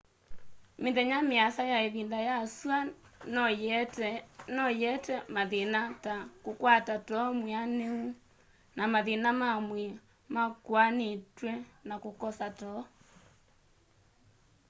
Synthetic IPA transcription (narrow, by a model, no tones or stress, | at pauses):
menðɛɲameaθajaeβindajaswan | nɔjɛtɛmaðenatakokwatatɔmweaneu | namaðenamamwɛ | makwanetwɛnakokɔsatɔ